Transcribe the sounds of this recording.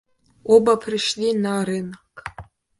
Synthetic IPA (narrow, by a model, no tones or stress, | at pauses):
obapʰrɨʃlinaɾɨnakʼ